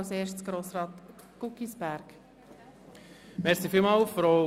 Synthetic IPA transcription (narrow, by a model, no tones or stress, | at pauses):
wseːʃtt͡sɡ̥ɾoːsɾɑːt̪ | kukisbæɾk | mɛɾsifiːlmɑːlfɾo